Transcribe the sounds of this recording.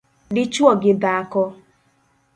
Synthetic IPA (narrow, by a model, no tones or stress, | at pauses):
dɪt͡ʃuɔɡɪdaakɔ